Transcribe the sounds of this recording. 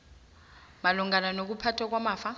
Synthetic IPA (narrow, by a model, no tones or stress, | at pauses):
maluŋɡananok̬upʰatʰwak̬wamaːfa